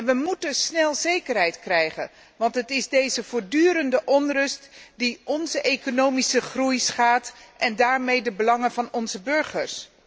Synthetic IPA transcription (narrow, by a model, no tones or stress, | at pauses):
nʋəmutəsnɛlˠzejkərɦɛjtkrɛjχə̰n | ʋɑntɦətɪzdejzəvʊːɹdyːɾəndəʔɔnrɵstdiʔɔnzəʔejkonowmisəχrujsχaːtʔɛndaːɹmejdəbəlɑŋənvɑnɔnzəbɵɹχəɹs